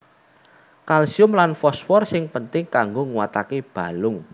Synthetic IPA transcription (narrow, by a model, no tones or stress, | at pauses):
kalsiʊmlanfɔswɔrsɪŋpənt̪ɪŋkaŋɡoŋuwat̪akeb̥a̤lʊŋ